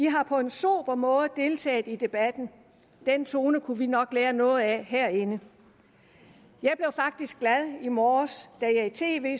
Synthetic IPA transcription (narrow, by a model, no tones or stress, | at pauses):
ʋiɦɑ̈pʰɒ̽e̝nsub̥ɐmɔ̽ːð̩ˠd̥e̝lt͡sʰɛ̰ːð̩ˠid̥e̝b̥æd̥n̩ | d̥en̰t͡sʰo̝ːnəkʰuʋinɒ̽ɡ̥leːɐnɔ̽ːð̞̩ˠæɦæɐ̰enə | jɑ̈ɪb̥le̝ʊfɑ̈ɡ̥̚d̥isɡ̥læðˠimɒːsd̥æjɑ̈it͡sʰe̝̰ːʋe̝̰ː